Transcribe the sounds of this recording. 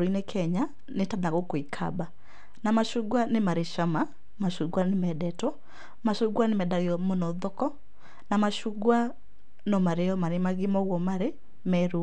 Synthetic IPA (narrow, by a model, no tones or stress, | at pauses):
ɾoinekʰɛɲa | netaðaɣokoikʰa̰ba | namaʃoɡwanemaɾeʃama | maʃoɡwanemɛdɛtɔ | maʃoɡwanemɛdaɣeɔmonɔðɔkɔ | namaʃoɡwa | nɔmaɾeɔmaɾemaɣemɔɣwɔmaɾe | mɛɾu